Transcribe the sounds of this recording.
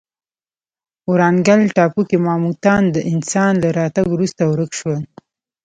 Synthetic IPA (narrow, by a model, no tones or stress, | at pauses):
uɾɑŋɡalʈɑpukimɑmut̪ɑnd̪əʔɪnsɑnlaɾɑt̪aɡwɾust̪awɾəkʃwəl